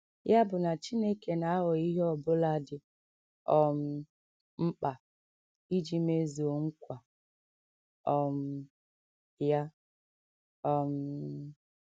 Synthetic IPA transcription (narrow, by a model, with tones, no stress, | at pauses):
ja˦bʊ˨na˨t͡ʃi˦ne˦ke˨na˨a˦ɦʊ˨i˦ɦɔ˨bʊ˦la˦dɪ˨ | ɔ˨m̩˦ | m̩˦k͡pa˨ | i˦d͡ʒi˦me˦zo˨o˨ŋ̩˦kʷa˨ | ɔ˨m̩˦ | ja˦ | ɔ˨m̩˦